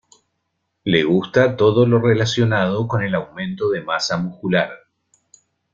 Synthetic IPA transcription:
leɣ̞ust̪at̪o̞ðo̞lo̞relasjo̞nað̞okone̞lawmẽ̞nt̪o̞ðemasamuskulaɾ

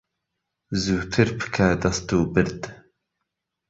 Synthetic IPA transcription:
zuːt̪ʰɨɾpʰɨ̥kʰaːd̪ɐst̪uːbɨɾd̪

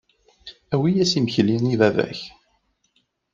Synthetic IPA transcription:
æwijæsimçliniðævæ̰ç

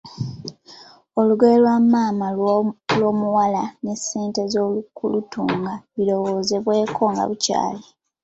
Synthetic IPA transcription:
o̞luɡelwamaːmalwo̞ːmuwalane̞se̞ːnte̞zoːlukulutṵːŋɡaβilo̞wo̞ze̞βwe̞ːkʰo̞ŋɡa̰βuca̰ːle

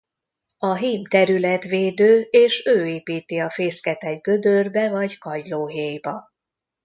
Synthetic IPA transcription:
ɒɦiːmt̪ɛɾylɛt̪ʋeːd̪øːeːʃøːeːpiːt̪iɒfeːskɛt̪ɛɡɡø̞d̪ørbɛvɒɟkɒjloːɦeːjbɒ

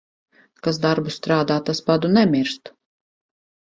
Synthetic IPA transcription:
kas̬d̪aɾbust̪ɾaːd̪aːt̪aspad̪unɛmiɾst̪

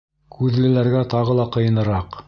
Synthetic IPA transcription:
kʉðlɘ̆læɾɡæt̪ɑʁɤlˠɑqɤ̆jɤ̆nɤ̆ɾɑq

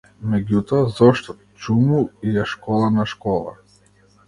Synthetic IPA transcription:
mɛɡʲut̪ɔazɔʃt̪ɔ | t͡ʃumuijaʃkɔlˠanaʃkɔlˠa̰

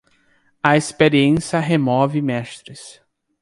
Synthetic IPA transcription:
ɐespeɾiẽsɐɦemɔvɪmɛst̪ɾɪs

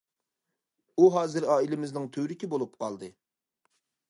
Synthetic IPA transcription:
uɦɑːzɨɾɑːilɪmɪznɪŋt̪ʰøɾɪkʲibolˠupqʰɑ̰lˠd̪ɨ

